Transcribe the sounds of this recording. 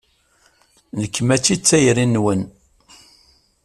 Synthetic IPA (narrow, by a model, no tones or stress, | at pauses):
nəkːmæt͡ʃːit͡sːæjɾinːwən